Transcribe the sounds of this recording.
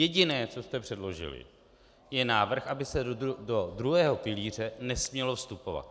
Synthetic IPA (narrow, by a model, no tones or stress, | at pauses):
jɛɟɪnɛːt͡so̞st̪ɛpr̝̥ɛdlo̞ʒɪ̰lɪ̰ | jɛnaːvr̩xʔabɪsɛdo̞dɾuɦɛːɦo̞pɪliːr̝ɛnɛsmɲɛlo̞fst̪upo̞va̰t̪̚